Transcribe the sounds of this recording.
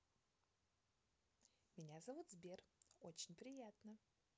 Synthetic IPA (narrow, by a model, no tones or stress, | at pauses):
mʲɪnʲazɐvut̪zbʲerot͡ɕɪnʲpɾʲɪjat̪nə